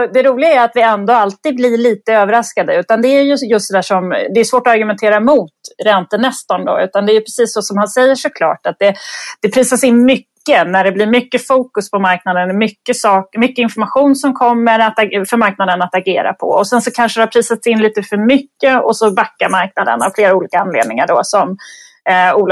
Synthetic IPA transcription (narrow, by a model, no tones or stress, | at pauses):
d̪ɛɾuːlɪɡaæɾat̪vɪɛnd̪ɔalt̪iːd̪blɪɭiːt̪əøːvəɾaskad̪əʉ̟ːt̪and̪ɛæɾjɵjɵst̪d̪ɛd̪æːʂɔmd̪ɛɾjʏsvoːʈɔaɾɡɵmɛnt̪ʰeːɾamʊːt̪ɾɛnt̪ənɛst̪ɔnd̪ɔ̰ʉ̟ːt̪and̪ɛːjɵpʰɾɛsiːsːɔsɔmhansɛjːəʂɔkʰlɑ̰ːʈat̪̚d̪ɛd̪̥ɛpʰɾiːsasɪnːmʏkːənæɖɛblɪɾmʏkːəfuːkɵspʰɔmaɾknad̪ənmʏkːəsɑːkmʏkːəɪnfɔɾmaɧuːnsɔmkʰɔmːəɾat̪afœɾmaɾknad̪ənat̪aɡḛːɾa̰pʰɔ̰ɔsɛnsɔkʰanʂəd̪ɛhapʰɾiːsat̪sɪnliːt̪əfœɾmʏkːəɔsɔbakːaɾmaɾknad̪ə̰na̰vfleːɾauːliːkaanlḛːd̪nɪŋaɖɔsɔm | uːl